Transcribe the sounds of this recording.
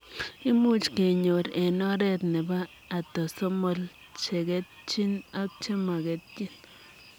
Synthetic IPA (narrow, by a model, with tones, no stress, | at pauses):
i˦mu˦t͡ʃke˨ɲo˨ɾe˨no˦ɾe˦t̪ne˨baː˦˨ | t̪o˨so˦mo˧l | t͡ʃe˨ɡe˦t̪̚t͡ʃi˦na˦p̚t͡ʃe˦ma˨ɡe˨t̪̚t͡ʃi˦n